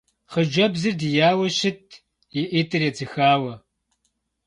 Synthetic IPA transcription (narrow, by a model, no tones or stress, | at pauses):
χəd͡ʒɐbzɨrdɨjaːwɐɕɪtʰ | jɛʔiːtʰɨrjɛt͡sʰɨxaːwɐ